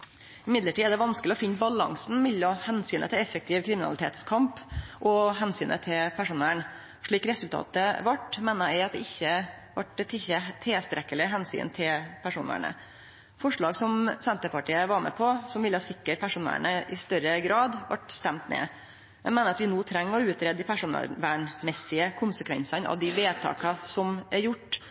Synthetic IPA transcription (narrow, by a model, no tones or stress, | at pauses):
ɪmɪd̪ləʈʰiːæɖ̪ɛʋɑnskəlɪɔfɪnːbɑlɑ̰ŋsnmɪlːɔhɛnsyːnət̪ʰɪlɛfːək̚t̪ʰɪːʋkʰɾɪmɪnɑ̰lɪt̪ʰḛːt̪skʰɑmpʔɔɦɛnsyːnʔə̰t̪ʰɪlpʰæʂuːnæɳ | ʂɭiːkɾɛsʉlt̪ʰɑ̰ːt̪əʋɑʈmeːnəɛɪɑt̪̚d̪ɛɪçːəʋɑʈɛt̪ʰɪçːət̪ʰːeːst̪ɾɛkːəlɪɦɛnsy̰ːnt̪ʰɪlpʰæʂuːnə̰ɳə̰ | fɔʂɭɑːɡsɔmsɛnt̪əpɑʈiːəʋɑɾmɛ̰pʰɔsɔmʋɪlːəhɑːsɪkːəɾpʰæʂuːnæ̰ɳəʔɪst̪œɾəɡɾɑːd̪ʋɑ̰ʈst̪ɛmt̪nḛː | ɛ̰mɛːnəɾɑt̪ʋɪnuːt̪ʰɾɛŋːɔʉːt̪ɾeːd̪ɪpʰæʂuːn̰ʋæɳmɛsɪəkʰʊnsəkʰʋɛ̰nsɑnɑ̰ʋd̪ɪʋeːt̪ʰɑ̰ːkɑsɔmæɾjʊʈː